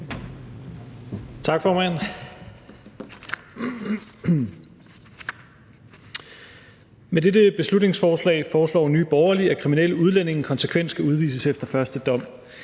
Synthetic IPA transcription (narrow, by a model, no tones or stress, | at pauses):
t͡sʰɑ̈ɡ̥fɒːmæn | mededəb̥e̝slud̥ne̝ŋsfɒːslɛ̰ɪfɒːslɒ̰ːny̰ːb̥ɒʊɐliækʰʁimineləuð̞ˠlæn̰e̝ŋn̩kʰɒ̽nsəkʰʋen̰sɡ̥æuð̞ˠʋḭːsəsefd̥ɐfɶɐsd̥əd̥ɒ̽m̰